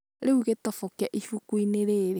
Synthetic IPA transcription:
ɾeuɣetɔfɔkɛʔiʃukuineɾeɾe

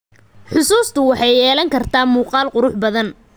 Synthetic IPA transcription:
ħʊsuːst̪ʰʊwɑħɑjɛːlɐŋkʰɐrt̪ʰaːmuːqɑːlqʊɾʊħbɐðɐn

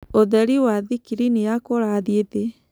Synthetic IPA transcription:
oðɛɾiwaðikiɾinijakoɾaðiete

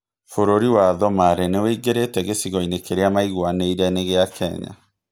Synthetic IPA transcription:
foɾoɾiwaðɔmaɾɛneweiɡeɾetɛɣesiɣɔinekeɾeamaiɣwaneiɾɛneɣeakʰɛ̰ɲa̰

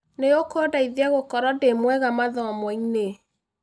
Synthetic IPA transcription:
nejokɔdaiðiaɣokɔɾɔdemwɛɣamaðɔmwɔine

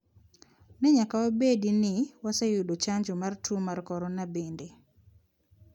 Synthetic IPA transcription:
nɛɲakawabedinɪwasɛjudot͡ʃaɲd͡ʒomartʰumarkɔɾɔnabende

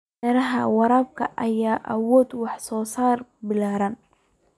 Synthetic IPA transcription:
ɛɾɐɦɐ̰wɑɾaːb̚kʰɐʔɐjaːʔɐwɔːd̪wɑħsɔːsaːrbɪlaːɾɐn

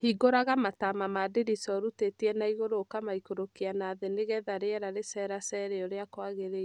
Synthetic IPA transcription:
hiɡoɾaɣamatamamadeɾisɔɾutetiɛnaiɣoɾoːkamaikoɾokianaːðeneɣɛðaɾeɛɾaɾesɛɾasɛɾɛɔɾeakwaɣeɾe

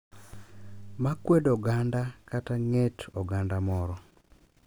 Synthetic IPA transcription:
makwedɔɡandakataŋetʰɔɡandamɔɾɔ

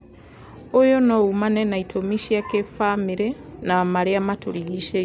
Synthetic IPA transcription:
ojonoɣumanenaitʰomiʃakefamiɾenamaɾiamatoɾiɣiʃe

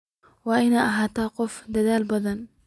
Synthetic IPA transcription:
waʔɪnaʔaɦat̪aːqʊfd̪ad̪aːlbɑd̪ˤɑn

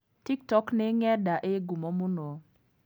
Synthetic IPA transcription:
tik̚tɔknɪŋɛdaʔeɡumomʊno

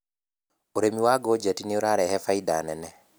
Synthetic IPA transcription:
oɾemiwaɡod͡ʒatineoɾaɾɛhɛfaida̰nɛnɛ

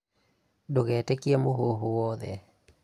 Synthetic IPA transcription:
doɣɛtekiamoɦoɦuwɔðɛ

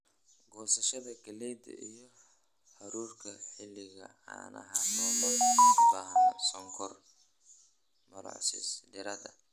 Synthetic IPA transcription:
ɡɔːsɐʃɐðɐkʰɐlɛjd̪ɐ̰ʔijɔ | ħɐɾuːrkʰɐħɪlːɪɣɐ̰ | a̰nʔɐ̰ɦanɔlɔbaːɦɐnsɔŋkʰɔr | mɐɾɑ̰ʕsɪ̰sdɪɾɐd̪ɐ̰

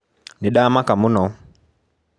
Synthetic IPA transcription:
niɗamakamʊnɔ

